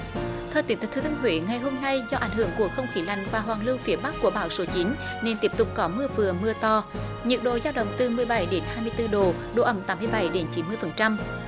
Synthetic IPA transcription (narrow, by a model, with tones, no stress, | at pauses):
t̪ʰɛː˧˩t̪i˨˦ŋt̪ʰːkt̪ʰːt̪ʰːŋɦwḛː˧˨˦ŋa˨˩jɦo˧mna˧jzɔ˧ʔa˨˩jŋ̟ɦɨ̰˧˩əŋku˨˩ək̚xə˧wŋ͡mxi˨˦la̰˧˨jŋ̟vaː˨˩ɦwaː˨˩ŋlɨ˧wfi˨˦əɓa˦˥k̚ku˧˩əɓaː˧˨˦wso˨˦t͡ɕi˨˦n | ne˧nt̪i˦˥əp̚t̪ʊ˨˩k͡p̚kɔ˨˦mɨ˧əvɨ˨˩əmɨ˧ət̪ɔ˧ | ɲɨ˨˩k̚ɗo̰˧˨zaː˧wɗə̰˧˨wŋ͡mt̪ɨ˨˩mɨ˨˩əjɓa˧˩jɗe˨˦nhaː˧jmɨ˧əjt̪ɨ˧ɗo˨˩ | ɗo˧˩ʔə˧˩mt̪aː˨˦mɨ˧əjɓa˧˩jɗe˨˦nt͡ɕi˨˦nmɨ˧əjfə˨˩nt͡ɕa˧m